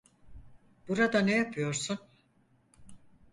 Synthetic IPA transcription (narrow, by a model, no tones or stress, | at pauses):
b̥uɾad̪anejapʰɯjo̞ɾsun